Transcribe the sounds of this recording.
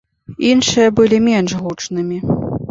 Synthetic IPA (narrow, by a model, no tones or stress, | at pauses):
inʂɨjɐbɨlʲimʲɛnʂɣut͡ʂnɨmʲi